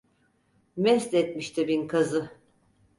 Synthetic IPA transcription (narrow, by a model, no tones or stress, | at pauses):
mɛst̪ɛt̪miʃt̪ʰɪbinkʰazɯ